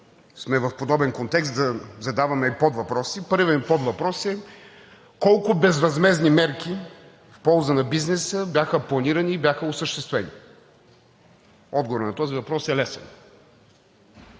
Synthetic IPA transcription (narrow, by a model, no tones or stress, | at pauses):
smɛvɐfpod̪ɔbɛnkont̪ɛkst̪d̪ɐzɐd̪avɐmɛipɔd̪vɐpɾɔsipɤɾvɛnpɔd̪vɐpɾɔsɛ | kɔlˠkʊbɛzvɐzmɛznimɛɾki | fpɔlˠzənɐbiznɛsəbjaxəplˠɐniɾɐniːbʲjaxəʊsəʃt̪ɛst̪vɛni | ɔd̪ɡovoɾnɐt̪ɔzivɐpɾɔsɛlɛsɛ̰n